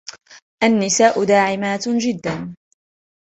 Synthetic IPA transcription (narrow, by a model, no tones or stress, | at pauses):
ʔanːɪsaːʔʊd̪aːʕɪmaːt̪d͡ʒɪd̪ːan